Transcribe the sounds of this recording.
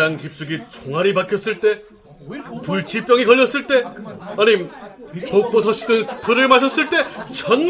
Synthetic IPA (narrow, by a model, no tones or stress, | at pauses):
ankip̚s͈uɡit͡ɕoŋɦaɾipakʰjʌs͈ɯɭt͈e̞ | puɭt͡ɕʰip͈jʌŋikʌʎːʌs͈ɯɭt͈e̞ʌɲimpok̚p͈osʰʌɕ͈ʰidɯnsʰɯ̥pʰɯɾɯɭmaɕʰʌs͈ɯɭt͈e̞t͡ɕʌn